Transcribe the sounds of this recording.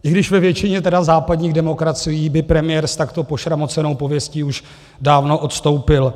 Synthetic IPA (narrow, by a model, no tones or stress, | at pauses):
ʔɪɡdɪʃvɛvjɛt͡ʃɪɲɛt̪ɛdazaːpadɲiːɣdɛmo̞kɾat͡sɪjiːbɪpɾɛmɪjɛɾst̪akt̪o̞po̞ʃɾamo̞t͡sɛno̞wpo̞vjɛsciːuʃ | daːvno̞ʔo̞t̪st̪o̞wpɪl